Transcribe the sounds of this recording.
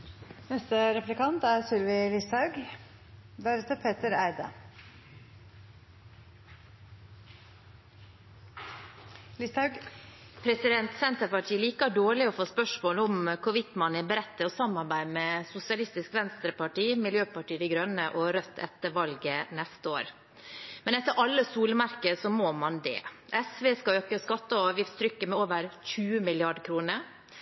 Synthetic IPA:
nɛst̪əɾɛplɪkɑnt̪æɾsʏlʋɪlɪsɑʉɡ | d̪æɾɛt̪əpʰeːt̪əɾæɪd̪ə̰ | lɪst̪ɑʉɡ | pʰɾɛsɪd̪ɛnt̪sɛnt̪əpɑʈʰiːəliːkəɖoːɭɪɔfoːspœʂmoːləʊmkʰʊʋɪt̪mɑnəbəɾɛt̪ːəɔsɑmɑɾbæɪmɛsʊsɪɑlɪst̪ɪskʋɛnst̪ɾəpɑʈiːmɪljøːpɑʈiːd̪ɪɡɾœnəʔɔɾœt̪ʰːɛ̰t̪ːəʋɑlɡənɛst̪əo̰ːɾ | mɛnɛt̪ːəɾʔɑlːəsuːlmɑɾkəsɔmomɑnd̪ɛ̰ʔɛsʋeːskɑøːkəskɑt̪ːəɔɑːʋjɪft̪st̪ʰɾʏkːəmɛoːʋəɾçʉːəmɪlɪɑɖkʰɾuːnəɾ

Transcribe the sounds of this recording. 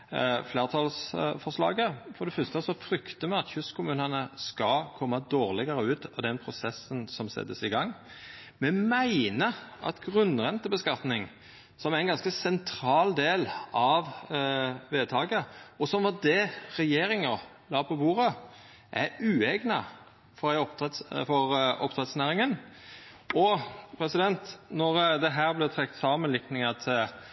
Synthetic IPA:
fleːʁt̪ʰɑlsfɔʂlɑ̰ːɡəfɔd̪ɛfœst̪əsɔfɾʏkt̪əmɛɑt̪çʉskʰʊmʉːnənəskɑkʰɔmːəɑd̪oːʁlɪɡəɾəʉːt̪ɑd̪ɛnpʰɾʊsɛsːənsɔmsɛ̰t̪ːəsɪɡɑŋː | mɛmæɪnəɑ̰t̪ɡʁʉnʁɛnt̪əbəskɑt̪nɪŋ | sɔmæɾɛnɡɑnskəsɛnt̪ʰɾɑːld̪eːlɑʋ | ʋeːt̪ʰɑːɡəɔsɔmʋɑd̪ɛɾɛjeːɾɪŋə | lɑːpʰɔbuːɾə | ʔæɾʉːɛɡnɑ | fɔɾæɪɔp̪fɔɾʔɔpt̪ʰɾɛt̪snæːɾɪŋən | ɔpʰɾɛsɪd̪ɛnt̪nɔʁd̪ɛɦæːʁblɪt̪ʰɾɛkt̪sɑːmənlɪknɪŋɑt̪ʰ

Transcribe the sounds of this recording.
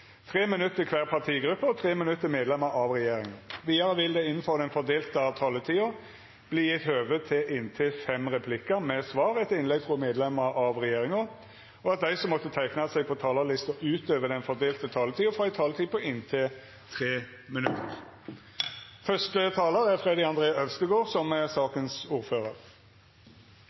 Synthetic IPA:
t̪ʰʁeːmɪnʉt̪ːəkʰʋæːʁpʰɑʁt̪ʰiːɡɾʉpːəɔt̪ʰʁeːmɪnʉt̪ːəmeːd̪lɛməɾɑʋʁɛjeːɾɪŋəʋiːd̪ɑɾəʋɪld̪ɛɪnn̩fɔʁd̪ɛnfɔd̪eːlt̪əɑʋt̪ʰɑːlət̪ʰiːʊ | b̥liːjɪt̪høːʋət̪ʰɪʔɪnt̪ʰɪfɛmʁɛpʰlɪkəmɛsʋɑːʁɛt̪ːəɪnlɛɡfʁɔmeːd̪lɛməɾɑʋʁɛjeːʁɪŋʊ | ɔɑt̪̚d̪æɪsɔmːɔt̪ːət̪ʰæɪknɑsɛɪpʰɔt̪ʰɑːləlɪst̪əʉːt̪øːʋəd̪ɛnfɔd̪eːlt̪ət̪ʰɑːlət̪ʰiːʊfʁɔæɪt̪ʰɑːlət̪ʰiːpʰɔʔɪnt̪ʰɪ | t̪ʰʁeː | mɪnʉt̪ʰːə̰ʁ | fœʂtət̪ʰɑːləʁæʁfʁɛd̪ɪɑnd̪ʁeːɑœʋst̪əɡoːʁsɔmɛsɑːkənsuːʁføːʁəʁ

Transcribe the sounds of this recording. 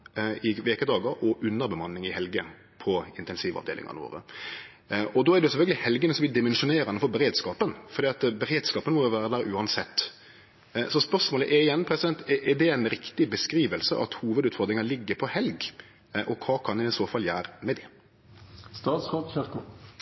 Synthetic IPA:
ɪʋeːkəd̪ɑːɡəɾɔʔʉnːəɾbɛmɑnːɪŋɪhɛlɡə | pʰɔɪnt̪ɛnsiːʋɑ̰ʋd̪ḛːlɪ̰ŋɑ̰nʋo̰ːɾə̰ | ɔd̪ɔːædɖɛjʊsɛfœlɡəlɪhɛlɡənəsɔmɛd̪ɪmɛnʂʊneːɾɑnəfɔɾbɛɾeːd̪skɑːpənfɔɾd̪iːɑt̪bɛɾeːd̪skɑːpənmɔjʊʋæːɾəd̪æːɾʔʉːɑnsɛt̪ː | sɔspœɾʂmoːləʔɛɾɪjɛnːpʰɾɛsɪd̪ɛnt̪ɛʔɛɖ̪ɛɛnɾɪkt̪ɪbəskɾiːʋəlsəʔɑ̰t̪huːʋəd̪ʉːt̪fɔɾd̪ɾɪŋɑlɪɡːəpʰɔhɛlɡ | ʔɔkʰʋɑːkʰɑnd̪ɛɪsoːfɑljæːɾəmɛd̪ɪ | st̪ɑːt̪sʁoːd̪çɪk

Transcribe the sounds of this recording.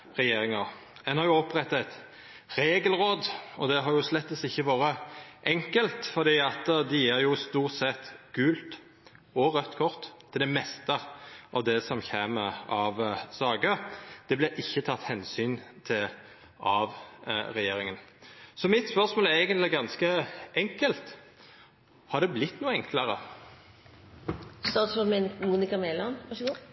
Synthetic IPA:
ʁɛjeːɾɪŋɑʁ | ɛnhɑɾjʊɔpːʁɛt̪ːɑɛt̪ | ɾeːɡəlʁoːd̪ɔd̪ɛɦɑɾjʊslɛt̪ːəsɪçːəʋoːɾəʔɛŋkəlt̪fɔʁd̪iːɑt̪d̪ɛjiːɾjʊst̪uːʁt̪sɛt̪ːɡ̥ʉːlt̪ | ɔʁœt̪ːkʰɔʁt̪ʰːɪld̪ɛmɛst̪əʔɑʋd̪ɛsɔmçeːməɑʋsɑːɡəd̪̥ɛblɛʔɪçːət̪ʰɑt̪ːhɛnsyːnt̪ʰɪl | ɑʋʁɛjeːɾɪŋənsɔmɪt̪spœʁsmoːlɛɛːɡənt̪lɪɡɑnskəɛŋkəlt̪ | hɑʁd̪ɛblɪt̪ːnuːɛŋkləʁə | st̪ɑt̪sɔmɛnmuːnɪkɑmɛːlɑnɑʃ

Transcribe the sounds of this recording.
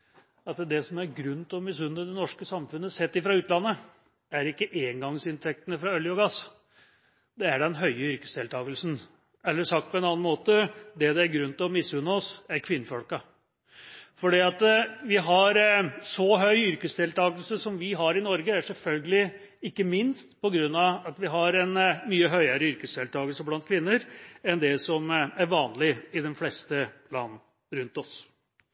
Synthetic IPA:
ɑt̪d̪ɛsɔmæɾɡɾʉn̩ːt̪ʰɪlɔmɪs̬ʉnːəd̪ɛnɔʂkəsɑmfʉnːəsɛt̪ːɪfɾɑʉːt̪lɑnːə | æɾɪkːəʔeːŋɡɑŋsɪnt̪ʰɛk̚t̪ənəfɾɑœljɔɡɑs | d̪ɛæɖɛnɦœʏəʏɾkə̥sd̪eːlt̪ʰɑːɡəlsn̩ | ɛlːəʂɑkt̪pʰɔɛnɑːnɑnmoːt̪əd̪ɛd̪ɛæɾɡɾʉn̩t̪ɪlɔmɪsːʉnːɔsæɾkʰʋɪnːəfɔlkɑ | fɔɖiːɑt̪ʋɪɦɑɾsɔɦœʏʏɾkəsd̪ɛːlt̪ʰɑːɡəlsəsɔmʋɪɦɑɾɪnɔɾɡəæʂɛlfœlɡəlɪ | ɪkːəmɪnst̪pʰɔɡɾʉnːɑɑt̪ʋɪɦɑɾɛnmyːəɦœʏəɾəʏɾkəsd̪eːlt̪ʰɑːɡəlsəblɑnt̪̚kʰʋɪnːəɾɛnd̪ɛsɔmæɾʋɑːnlɪɪd̪ɛnflɛst̪əlɑ̰ːnn̩ | ɾʉnt̪ɔs

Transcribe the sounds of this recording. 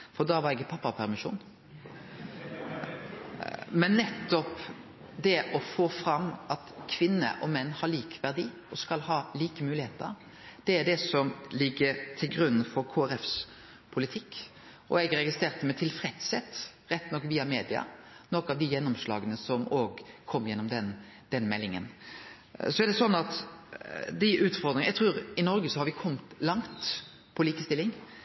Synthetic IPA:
fɔd̪ɑʋɑɾɛɡɪpʰɑpːɑpʰæɾmɪʃṵːn | mɛnːɛt̪ːɔp | d̪ɛʔɔfoːfɾɑmʔɑt̪kʰʋɪnːə̰ʔɔmɛnːhɑɾɭiːkʋæʁd̪iː | ɔskɑlhɑːliːkəmʉːlɪheːt̪ə̰ɾ | d̪̥ɛæɖɛsɔmlɪɡːəɾt̪ʰɪlɡɾʉnːn̩fɔɾkʰoːæɾɛfs | pʰʊlɪt̪ʰɪkː | ʔɔɛɡɾɛɡɪst̪ʁeːʁt̪əmɛt̪ʰɪlfɾɛt̪sɛt̪ːɾɛt̪ːnɔkːʋiːɑmeːd̪ɪɑ̰nɔkɑʋd̪ɪjɛnːɔmslɑ̰ːɡənəsɔmoːɡkʰɔmːjɛnːɔmd̪ɛn | d̪̥ɛnmɛlːɪŋə̰n | sɔæɾd̪ɛsɔnːɑt̪ | d̪ɪʔʉːt̪fɔɾd̪ɾɪŋnjɛt̪ʰɾʉːɾɪnɔɾɡəsɔhɑɾʋɪkʰɔmt̪lɑŋt̪ | pʰɔliːkəst̪ɪlːɪŋ

